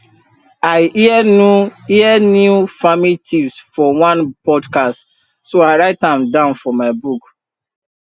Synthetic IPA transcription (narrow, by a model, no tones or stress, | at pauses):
aɪ | iɛnjufamilitʰĩvsfɔwãnpɔdkast | soaɪɹaɪtãmdãʊ̃nfɔmaɪbuk